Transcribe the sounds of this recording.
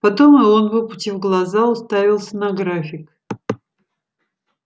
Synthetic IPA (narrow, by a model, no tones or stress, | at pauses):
pɐt̪o̞mɨonbɨpʊtʲivɡlˠɐzaʊst̪avʲɪlˠsʲənɐɡɾafʲɪk